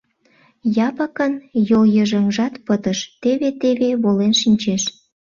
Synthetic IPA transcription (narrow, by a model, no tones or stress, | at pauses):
jɑpəkənjoljəʒəŋʒɑt̪pət̪əʃt̪eβet̪eβeβolenʃinʲt͡ɕeʃ